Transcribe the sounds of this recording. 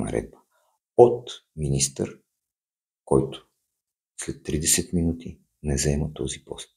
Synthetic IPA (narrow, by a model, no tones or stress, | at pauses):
ɐ̰ɾɛ̰d̪̚bə̥ | ot̪minist̪ə̰ɾ | kɔjt̪ʊ̥ | slɛt̪ːɾid̪ɛsɛt̪minut̪i | nɛzɛmət̪ɔzipɔ̰st̪̚